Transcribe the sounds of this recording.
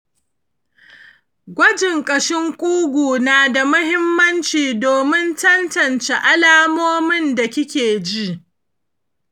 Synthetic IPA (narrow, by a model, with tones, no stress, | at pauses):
ɡʷɐ˦d͡ʒɪ˨ŋkʼɐ˨ʃɪ˦ŋkʷʼuː˦ɡʷuː˨naː˨da˨mʊ˦hɪ˦mːɐ˦nt͡ʃiː˨doː˨mɪ˦ntɐ˦ntɐ˨nt͡ʃe˨ʔa˦laː˦moː˦mɪ˦nda˨kʲɪ˦kʲeː˨d͡ʒi˦ʔ